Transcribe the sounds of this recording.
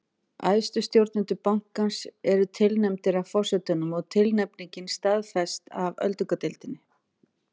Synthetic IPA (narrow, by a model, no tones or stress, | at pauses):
a̰jst̪ʏst̪jowɾt̪nɪnt̪ʏpawŋ̥kansɛɾʏt̪ʰɪlnɛmt̪ɪɾavfɔr̥sɛt̪ʏnʏmɔɣt̪ʰɪlnɛpniɲcɪnst̪aðfɛst̪avœ̰lt̪ʏkat̪ɪlt̪ɪnːɪ